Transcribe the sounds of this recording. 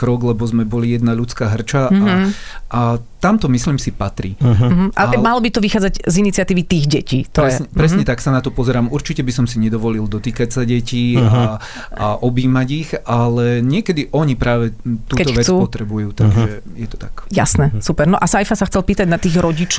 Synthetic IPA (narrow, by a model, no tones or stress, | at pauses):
kɾɔɡlɛbɔzmɛbɔlijɛd̪naʎut͡skaːɦr̩t͡ʃaaʔat̪amt̪ɔmisliːmsipat̪ɾiːmɦ̩ʔa̰malɔbit̪ɔʋixaːd͡zaɟzinit͡siat̪iːʋit̪iːɣɟɛciːt̪ɔɾɛsɲɛpɾɛsɲɛt̪aksanat̪ɔpɔzɛɾaːmuɾt͡ʃicɛbisɔmsiɲɛd̪ɔʋɔlild̪ɔt̪iːkacsaɟɛciːa | aʔɔbiːmaɟixalɛɲɪɛkɛd̪iʔɔɲipɾaːʋɛt̪uːkɛt̪ɔxʋɛt͡suːpɔt̪ɾɛbujuːt̪aɡʒɛjɛt̪ɔ̥t̪akja̰snɛsupɛɾnɔʔasajfasaxt͡sɛlpiːt̪aɟnat̪iːɣɾɔɟit͡ʃ